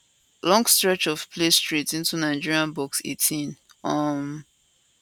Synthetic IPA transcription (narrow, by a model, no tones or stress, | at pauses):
lɔ̃ŋɡstɹɛt͡ʃɔv̥pʰlestɹitĩntunaɪd͡ʒiɹiãnbɔksḛtʰĩn | ʌm